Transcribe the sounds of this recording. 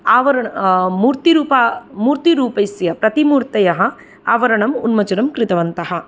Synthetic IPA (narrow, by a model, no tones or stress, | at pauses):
aːʋɐɾɐɳmuːɾt̪iɾuːpamuːɾt̪iɾuːpɐjsjɐpɾɐt̪imuːɾt̪ɐjɐɦɐ̆ | aːʋɐɾɐɳɐmṵnmɐt͡ʃuɾɐmkɾɪt̪ɐʋɐnt̪ɐɦɐ̆